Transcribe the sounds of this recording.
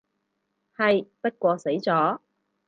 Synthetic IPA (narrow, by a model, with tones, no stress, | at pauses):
hɐ˨jpɐ˥t̚kʷɔː˧se˨˥jt͡sɔː˨˥